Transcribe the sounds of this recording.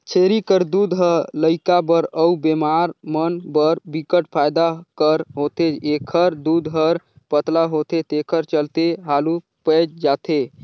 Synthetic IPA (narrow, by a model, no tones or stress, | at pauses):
t͡ʃʰeɾikəɾd̪ud̪ɦələɪkabəɾəubemaɾmənbəɾbikəʈpʰajd̪akəɾɦot̪eekʰəɾd̪ud̪ɦəɾ | pət̪laɦot̪et̪ekʰəɾt͡ʃəlt̪eɦalu | pəd͡ʒd͡ʒat̪ʰe